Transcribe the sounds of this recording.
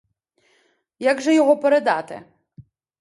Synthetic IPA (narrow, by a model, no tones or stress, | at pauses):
jaɡʒɛjɔɦɔpeɾed̪ɑt̪ɪ̰